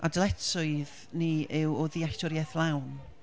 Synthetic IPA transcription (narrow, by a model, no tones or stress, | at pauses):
ʔa̰dlˠɛtʰʊɨð | niɪwɔðiaɬtʰɔɾjɛθlˠawn